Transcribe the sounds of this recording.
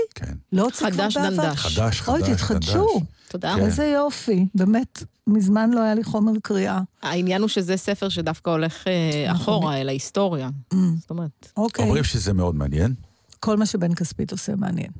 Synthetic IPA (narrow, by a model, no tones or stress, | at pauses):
kʰḛnlot͡sikdaʃbeaaaaadaʃojt̪it̪χadʃut̪od̪aezejofibeːme̞tmizmanloajaliχo̞meʁkʁiʔaainjanuʃezesefeʁʃ̬edafkaoleχea̰χoʁaelaisto̞ʁjaztomeʁetokeojmʁimʃezemeo̞d̪̚mea̰njen | ko̞lmaʃebe̞nkaspitosemea̰njḛn